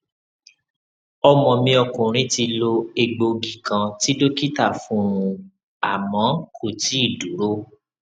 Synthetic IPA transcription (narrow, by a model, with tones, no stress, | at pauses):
ɔ˧mɔ̃˨mĩ˧ɔ˧kũ˨ɾ̃ĩ˨˦ti˧lo˧e˧ɡ͡bo˧ɡi˨kã˧ti˦do˦ki˦ta˦˨fũ˦ɾ̃ũ˧ | a˨mã˨˦kʰo˨ti˨˦i˦˨du˨˦ɾo˦